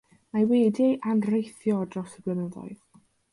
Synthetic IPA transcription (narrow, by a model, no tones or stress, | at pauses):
maweːdɪʔanrejθjɔdrɔsəblənəðɔ̰ɨð